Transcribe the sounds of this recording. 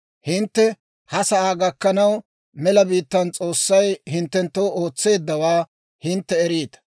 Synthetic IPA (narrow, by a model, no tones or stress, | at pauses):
hɪnt̪ːɛ | hɐsɐʔaːɡɐkːɐnɐw | mɛlɐbiːt̪ːɐnt͡sʼo̞ːsːɐjhɪnt̪ːɛnt̪ːoːoːt͡sːe̞ːd̪ːɐwaː | hɪnt̪ːɛɛɾiːt̪ɐ̥